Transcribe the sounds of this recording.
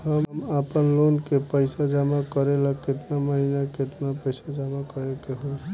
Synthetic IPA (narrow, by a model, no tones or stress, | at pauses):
həmmapənlonkepəɪsad͡ʒamakəɾelaket̪naməɦinaket̪napəɪsad͡ʒamakəɾekeɦo